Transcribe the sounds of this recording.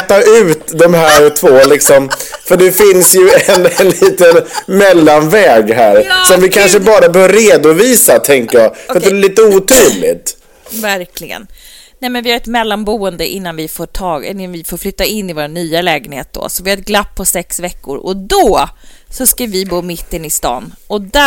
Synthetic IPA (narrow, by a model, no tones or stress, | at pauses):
t̪ːaʉ̟ːt̪d̪ɔmhæːɾt̪ʰvoːlɪksɔmfœɖɛfɪnsjɵɛnɛnliːt̪ənmɛlːanvɛːɡɦæːɾsɔmvɪkʰanʂəbɑːɾabɛhœːvɾeːd̪ʊviːsat̪ʰɛŋkəjɑːfɾt̪d̪ɛɛliːt̪əuːt̪ʰuːlɪ̰t̪ | væɾkʰlɪɡə̰n | nɛmɛnvɪhaɾɛt̪mɛlːanbuːənd̪əʔɪnːanvɪfoːʈʰɑːɡɪnːanvɪfoːɾflʏt̪ːaɪnːɪvoːɾanːyːalɛːɡənhḛːt̪̚d̪o̰sɔvɪhaɾɛt̪̚ɡlapʰːɔsɛksvɛkːʊ̰ɾɔd̪ɔsɔskavɪbuːmɪt̪ːənɪst̪ɑ̰ːnɔd̪æ